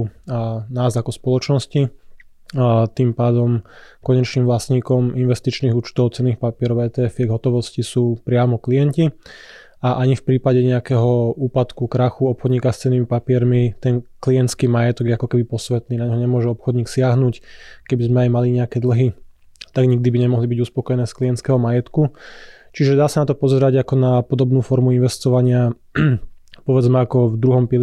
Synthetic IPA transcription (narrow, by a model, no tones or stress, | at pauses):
naːzakɔspɔlɔt͡ʃnɔsci | t̪impaːd̪ɔmkɔɲɛt͡ʃniːmʋlasɲiːkɔminʋɛst̪it͡ʃniːɣuːt͡ʃt̪ɔʊt͡sɛnːiːxpapɪɛɾɔʊɛːt̪ɛɛfɛɡɦɔt̪ɔʋɔscisuːpɾɪamɔklijɛnci | aʔaɲifpɾiːpaɟɛɲɛakɛːɦɔuːpat̪kukɾaxuɔpxɔd̪ɲiːkast͡sɛnːimipapɪɛɾmit̪ɛnklijɛnt̪t͡skiːmajɛt̪ɔɡjɛakɔkɛbipɔsʋɛt̪niːnaɲɦɔɲɛmʊɔʒɛɔpxɔd̪ɲiːksɪaɦnuːckɛbizmɛajmaliɲɛakɛːd̪l̩ɦi | t̪aɡɲiɡ̚d̪ibiɲɛmɔɦlibiɟuspɔkɔjɛnɛːskliɛnt͡skɛːɦɔmajɛt̪kut͡ʃiʒɛd̪aːsanat̪ɔpɔzɛɾaɟakɔnapɔd̪ɔbnuːfɔɾmuinʋɛst̪ɔʋaɲɪa | pɔʋɛd͡zmɛakɔvd̪ɾuɦɔmpi